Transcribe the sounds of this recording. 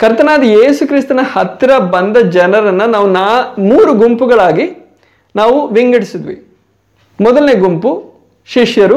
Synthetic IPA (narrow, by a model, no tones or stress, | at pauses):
kɐɾt̪ɐnaːd̪ɐjeːsukɾist̪ɐnɐhɐt̪ɾɐbɐnd̪ɐd͡ʒɛnɐɾɐnːɐnaːʋunaːmuːɾuɡumpuɡɐɭaːɡi | naːʋuʋiŋɡɐɽisid̪ʋḭ | mɔd̪ɐlne̞ːɡumpu | ʃiʂjɐɾu